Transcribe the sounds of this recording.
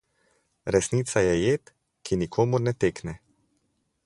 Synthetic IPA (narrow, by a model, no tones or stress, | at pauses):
ɾɛsniːt̪sajɛjeːt̪ | kʰinikʰoːmuɾnɛt̪eːknɛ